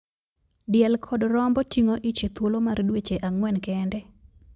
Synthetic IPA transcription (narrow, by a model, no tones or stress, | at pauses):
dɪɛlkʰɔdɾɔmbɔtʰiŋoʔit͡ʃet̪wolomardwet͡ʃeʔaŋwɛnkɛndɛ